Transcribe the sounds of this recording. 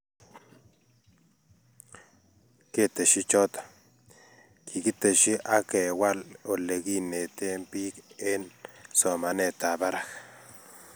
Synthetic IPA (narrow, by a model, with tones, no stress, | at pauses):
ke˦t̪e˨ʃi˦t͡ʃo˦t̪ḁ˨ | ki˨ki˦t̪e˨ʃi˦ʔa˦ke˨wa˦lo˨le˨ɡi˦ne˨t̪e˦mpi˦ke˦nso˨ma˨ne˧t̪a˨ba˦ɾa˦x